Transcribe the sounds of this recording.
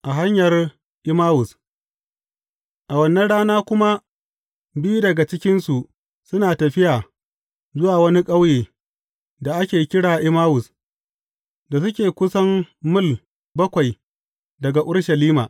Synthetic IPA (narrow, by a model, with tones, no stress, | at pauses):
ʔa˨ɦa˦ɲjɐ˨r | ʔɪ˦maː˦wʊ˨s | ʔa˨wɐ˨nːɐ˦nɽaː˦naː˦kʷʊ˦ma˦ | bi˦dɐ˨ɡa˨t͡ʃɪ˦kʲɪ˦nsu˨ʔ | sʊ˦naː˨tɐ˨ɸɪ˦jaː˨ | zʊ˦waː˨wɐ˦ni˦kʼɐ˦wjeː˨ | da˨ʔa˦kʲeː˨kʲɪ˦ɽaː˨ʔɪ˦maː˦wʊ˨s | da˨s̬ʊ˦kʲeː˨kʷʊ˦sɐ˦mmʊ˦l | bɐ˦kʷa˨j | dɐ˨ɡa˨ʔʊ˦rʃɐ˨liː˦maː˨